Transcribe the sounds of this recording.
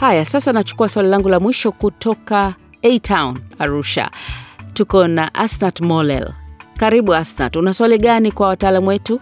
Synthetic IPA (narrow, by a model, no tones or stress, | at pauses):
hajasasanat͡ʃu̥kuaswalilaŋɡulamwiʃɔkutʰɔka | ɛtʰaunaɾuʃa̰tukɔnaʔasnatmɔlɛ̰lkaɾiɓuasna̰tunaswaliɠanikwawataːlamuwɛtu